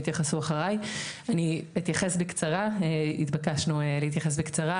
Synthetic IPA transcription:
t̪jaχasuaχaʁajaniit̪jaχesbekt͡saʁaeit̪bakaʃnuelehit̪jaχes̬bekt͡saʁa

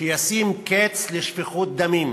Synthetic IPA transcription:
ijasimket͡sleʃfeχut̪̚d̪amim

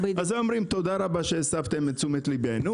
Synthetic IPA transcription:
bazeomʁimt̪o̞d̪aʁabaʃesavt̪emet͡sumet̪libenu

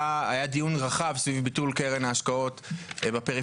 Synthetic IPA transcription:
aajad̪ijunʁaχavsvivbitulkeʁenaːʃkao̞tbapeʁi

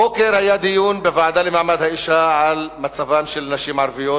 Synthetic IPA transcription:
okeɾhajad̪ijunbevaʕad̪alemaʕmad̪haiʃaʕalmat͡savamʃelnaʃimʕaɾvijo

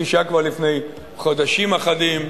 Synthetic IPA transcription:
iʃakvaʁlifne̞j | χod̪aʃimaχad̪im

